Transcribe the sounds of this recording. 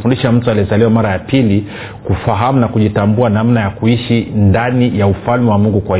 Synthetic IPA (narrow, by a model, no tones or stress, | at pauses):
fundiʃam̩tualiɛzaliwamaɾajapili | kufaɦamunakuʄitambuanamnajakuiʃindanijaufalmɛwamuŋɡukwa